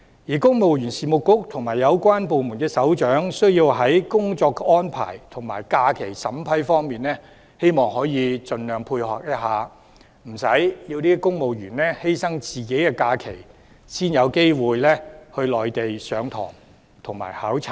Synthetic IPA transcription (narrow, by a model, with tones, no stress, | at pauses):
jiː˨˩kʊ˥ŋmo˨wjy˨˩nsiː˨mʊ˨kːʊ˥k̚t̪ʰʊ˨˩ŋmaː˨˩jɐ˨˧wkʷaː˥npo˨˧wmuː˨˩nkɛː˧sɐ˨˥wt͡ʃœː˨˥ŋsɵ˥ɥjiː˧wɦɐ˨˥jkʊ˥ŋt͡sɔː˧kɔː˥npʰa̰ː˨˩jt̪ʰʊ˨˩ŋma̰ː˨˩jkaː˧kʰe˨˩jsɐ˨˥mpʰɐ˨˥jfɔː˥ŋmiː˨nlɛː˥ | he˥jmɔː˨ŋhɔː˨˥jiː˨˧t͡sɵ˧nlœː˨˩ŋpʰuː˧jhɔː˨k̚jɐ˥t̚ɦaː˨ | m̩˨˩sɐ˨˥jjiː˧wniː˥˧kʊ˥ŋmo˨wjyː˨˩nlɛː˥he˥jsɐ˥ŋt͡siː˨ke˨˥jkɛː˧kaː˧kʰe˨˩j | siː˥njɐ˨˧wke˥jwuː˨˧jlɛː˥hɵ˧lɔː˨jt̪e˨jsœː˨˧ŋt̪ʰɔ̰ː˨˩ŋ | t̪ʰʊ˨˩ŋma̰ː˨˩jhaː˨˥wt͡sʰɐ˨˩